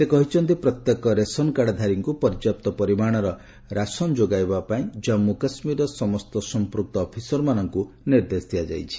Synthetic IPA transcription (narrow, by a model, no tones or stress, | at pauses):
sekɔɦit͡ʃʰɔnt̪ipɾɔt̪jekɔɾesɔnkaɽd̪ʱaɾiŋkupɔɾd͡ʒap̚t̪ɔpɔɾimaɽ̃ɔɾɔ | ɾasɔnd͡ʒoɡajbapaĩd͡ʒɔmːukasmiɾɔsɔmɔst̪ɔsɔmpɾuk̚t̪ɔːpʰisɔɾmanɔŋku | niɾd̪esd̪ʰʱijad͡ʒa̰jt͡ʃʰi̥